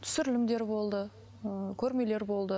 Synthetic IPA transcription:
t̪ʰʏ̥sɪɾɪlɪmd̪e̞ɾbo̞lˠd̪ə | əkʲʰɵɾme̞le̞ɾbo̞lˠd̪ə

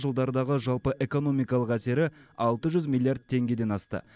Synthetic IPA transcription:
ʒəlˠd̪ɑɾəd̪ɑʁəʒɑlˠpəʔe̞ko̞no̞mijkɑlˠəqæse̞ɾɪɑlˠt̪əʒʏzmʲilˠːijard̪̚t̪ʰe̞ŋɡʲe̞d̪e̞nɑst̪ə̰

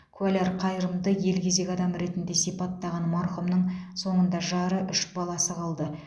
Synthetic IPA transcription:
kʰualʲeɾqʰɑjɾəmd̪əje̞lkʲe̞ze̞kʲɑd̪ɑmɾe̞t̪ɪnd̪e̞sijpɑt̪ːɑʁɑnmɑɾχumnəɴso̞ɴənd̪ɑʒɑɾəʔʏʃbɑlˠɑsəqʰɑlˠd̪ə

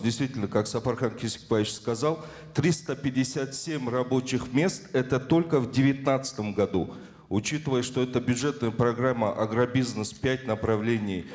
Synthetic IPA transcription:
dʲɪjst̪vʲitʲɪlʲnəkaksɐfɐrχankʲɪsʲɪ̥kpavʲɪt͡ɕskɐzalˠ | t̪ɾʲist̪əpʲɪdʲɪsʲat̪sʲemʲrɐbo̞t͡ɕɪxmʲe̞st̪ɛt̪ət̪o̞lʲkəvdʲɪvʲɪt̪nat̪sə̥t̪əmɡɐd̪u | ʊt͡ɕit̪ɨvəjəʂt̪o̞ɛt̪əbʲʊdʐɛt̪nəjəpɾɐɡramːəʔɐɡɾɐbʲiznəspʲætʲnəpɾɐvlʲenʲɪj

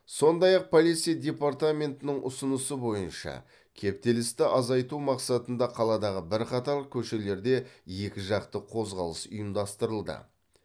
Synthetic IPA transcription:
so̞nd̪ɑjɑq̚pʰolˠit̪sijad̪ʲe̞part̪amʲe̞nt̪ɪnɪŋʔʊ̰sʊnəsəbo̞jənʃɑ̰ | kʲʰe̞p̚t̪e̞lɪst̪ɪʔɑzɑjt̪umɑqsɑt̪ənd̪ɑqʰɑlˠɑd̪ɑʁəbɪɾqʰɑt̪ɑɾkʲʰɵʃe̞le̞ɾd̪e̞je̞kʲɪʒɑqt̪əqʰo̞zʁɑ̰lˠəsʊjəmd̪ɑst̪əɾəlˠd̪ə̰

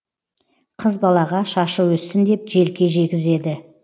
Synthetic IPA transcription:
qʰəzbɑlˠɑʁɑʃɑʃəwɵsɪnd̪e̞p̚ʒe̞lkʲe̞ʒe̞t̪ɡʲɪze̞d̪ɪ

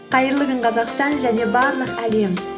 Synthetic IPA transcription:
qʰɑjəɾlˠəɡəɴqʰɑzɑqst̪ɑnʒæne̞bɑɾlˠəqæle̞m

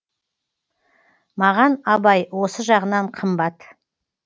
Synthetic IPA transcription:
mɑʁɑnɑbɑjwo̞səʒɑʁənɑɴqʰəmbɑt̪

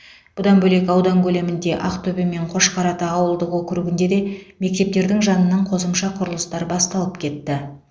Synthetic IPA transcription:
b̥ʊd̪ɑnbɵle̞kɑwd̪ɑŋkʲʰɵle̞mɪnd̪e̞ʔɑqt̪ʰɵbɪme̞ɴqʰo̞ʃqʰɑɾɑt̪əɑwəlˠd̪əqwɵkʲɪɾuɡʲɪnd̪e̞d̪e̞me̞k̚t̪e̞p̚t̪e̞ɾd̪ɪŋʒɑnənɑɴqʰo̞səmʃɑqʰʊɾəlˠəst̪ɑɾbɑst̪ɑlˠəpkʲʰe̞t̪ːɪ

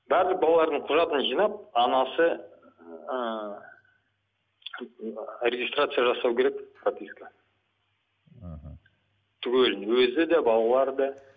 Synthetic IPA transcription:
bæɾləq̚bɑlˠɑlˠɑɾd̪əɴqʰʊʒɑt̪ənʒijnɑp̚ɑnɑsə | ə | ɾʲeɡʲist̪rat̪sɨjaʒɑsɑwkʲʰe̞ɾe̞kfɾap̪ʲisʲka | t̪ʰʏkʲelɪnwɵzɪd̪æbɑlˠɑlˠɑɾd̪ɑ

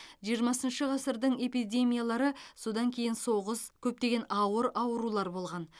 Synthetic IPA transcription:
ʒijəɾmɑsənʃəʁɑsəɾd̪əɴe̞pid̪e̞mʲijalˠɑɾəso̞d̪ɑŋkʲʰe̞jɪnso̞ʁəskʲʰɵp̚t̪e̞ɡʲe̞nɑwəɾɑwəɾulˠɑɾbo̞lˠʁɑn

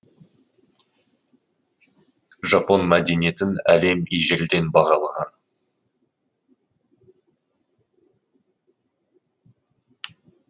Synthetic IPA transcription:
ʒɑpo̞nmæd̪enije̞t̪ɪnæ̰le̞miʒeld̪e̞nbɑʁɑlˠɑʁɑn

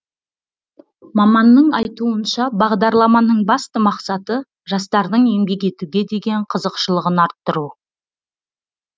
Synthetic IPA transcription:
mɑmɑnːəɴɑjt̪uənʃɑbɑʁd̪ɑɾlˠɑmɑnəɴbɑst̪əmɑqsɑt̪ə | ʒɑst̪ɑɾd̪əɴe̞mbe̞ke̞t̪uɡʲe̞d̪e̞ɡʲe̞ɴqʰəzəqʃəlˠəʁənɑɾt̪ːəɾu

